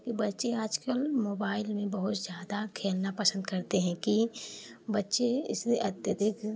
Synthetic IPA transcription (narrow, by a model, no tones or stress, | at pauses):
kibɐtːʃeaːd͡ʒkəlmoːbaːɪlmẽbɐɦʊt̪zjaːd̪akʰeːlnapɐsə̃nd̪kɐɾt̪eɦɛ̃ki | bɐtːʃeɪseʔɐt̪jəd̪ɪkʰ